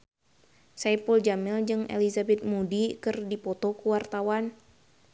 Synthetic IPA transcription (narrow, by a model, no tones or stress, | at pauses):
sajpuld͡ʒamɪld͡ʒɨŋḛlizabɛt̪̚mudikɨrdipɔt̪ɔkuwart̪awan